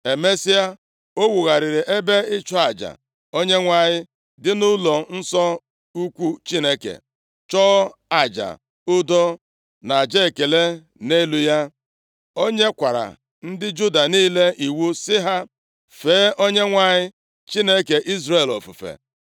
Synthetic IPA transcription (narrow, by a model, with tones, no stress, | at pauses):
e˨me˦si˦a˦ | o˦wu˨ɣa˨ɾɪ˨ɾɪ˨ʔe˦be˦ɪ˦t͡ʃɔ˦a˨d͡ʒa̰˨ | o˦ɲe˦ŋʷa˨ɲɪ˦ | dɪ˦nʊ˦lɔ˨n̩˦sɔ˦ | u˦kʷu˦t͡ʃi˦ne˦kḛ˨ | t͡ʃɔ˦a˨d͡ʒa̰˨ | ʊ˦dɔ˦ | na˨d͡ʒe˦˨ke˨le˦ | ne˦lu˦ja˦ | o˦ɲe˦kʷa˨ɾa̰˨ | n̩˦dɪ˦d͡ʒu˦da˨niː˦le˦i˨wu˦sɪ˦ɦa˦ | feː˨˦ʔo˦ɲe˦ŋʷa˨ɲɪ˦ | t͡ʃi˦ne˦ke˨ʔi˦zɾe˦˨lɔ̰˨fṵ˨fḛ˨